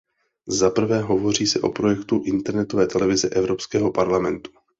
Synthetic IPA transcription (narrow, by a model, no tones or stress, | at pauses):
zapr̩vɛːɦo̞vo̞r̝iːsɛʔo̞̰pɾo̞jɛkt̪uʔɪnt̪ɛɾnɛt̪o̞vɛːt̪ɛlɛvɪzɛʔɛvɾo̞pskɛːɦo̞paɾlamɛnt̪u̥